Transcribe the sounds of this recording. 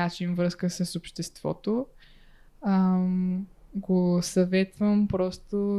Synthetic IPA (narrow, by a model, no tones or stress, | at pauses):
at͡ʃinvɾəskəsəsopʃt̪ɛst̪v̥ɔ̰t̪o | ə | ɡosɐvɛt̪vəmpɾɔst̪o